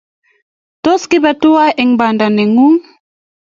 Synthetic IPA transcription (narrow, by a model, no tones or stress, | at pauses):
toskibatuaʔɛŋbandanɛŋuŋ